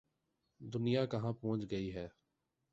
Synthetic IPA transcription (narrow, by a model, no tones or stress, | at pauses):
d̪ʊnijaːkɐɦãːpɔ̃ːt͡ʃɡəiɦɛː